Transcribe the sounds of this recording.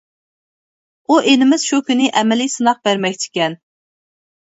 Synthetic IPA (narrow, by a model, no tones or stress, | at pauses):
uʔenɪmɪz̥ʃukʲynɪʔɛmɛlijsɨnɑq̚bæɾmɛkʲt͡ʃʰɪ̥kʲɛn